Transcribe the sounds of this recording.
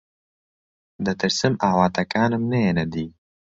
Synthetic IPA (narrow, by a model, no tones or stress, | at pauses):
d̪ɨt̪ɨɾsɨmaːwaːt̪ɐkaːnɨmnɐjenɐd̪iː